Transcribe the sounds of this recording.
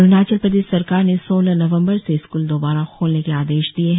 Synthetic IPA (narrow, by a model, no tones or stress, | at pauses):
ʊnaːt͡ʃəlpɾɐd̪eːsɐɾkaːɾnesoːlənɐʋə̃mbəɾseɪskuːld̪oːbaːɾaxʰoːlnekeaːd̪eːʃd̪ieɦ